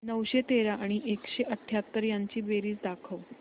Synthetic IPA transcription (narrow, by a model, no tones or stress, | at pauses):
nəʋɕet̪eɾaʔaɽ̃iʔekɕeʔəʈʰːjat̪ːəɾjaɲt͡ɕiːbeɾiːsd̪akʰəʋ